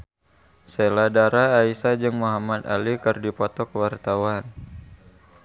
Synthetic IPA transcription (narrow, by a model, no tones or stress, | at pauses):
seladaɾaːisad͡ʒɨŋmuɦamat̪a̰likɨrdipɔt̪ɔkwart̪awan